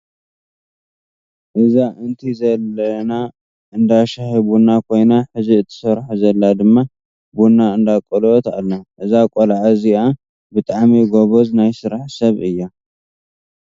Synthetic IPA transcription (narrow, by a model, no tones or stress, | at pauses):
ʔɨzaʔɨnt̪ʰizɐlːɐna | ʔɨnd̪aʃahiβunakʰo̞jnaħɨziɨt̪ʰːɨ̥sɐɾħuzɐlːad̪ɨmːa | bunːaɨnd̪akʼolot̪a̰lːaʔɨzakʼolʕazia | bɨt̪ʼaʕmiɡoβoznajsɨɾaħsɐβʔɨjːa